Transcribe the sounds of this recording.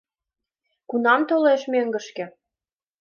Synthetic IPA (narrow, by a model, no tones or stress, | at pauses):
kunɑmt̪oleʃmøŋɡə̆ʃkĕ